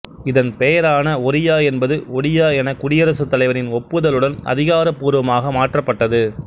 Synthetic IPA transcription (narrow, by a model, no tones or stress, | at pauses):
ɪðɐnpejɐɾaːnɐɔɾɪjaːɛnbɐðɯɔɽɪjaːɛnɐkʊɽɪjɐɾɐsɯt̪ːɐlɐɪʋɐɾɪnɔpːɯðɐlɯɽɐnɐ̰ðɪɣaːɾɐpːuːɾɯʋɐmaːɣɐmaːʈrɐpːɐʈːɐðɯ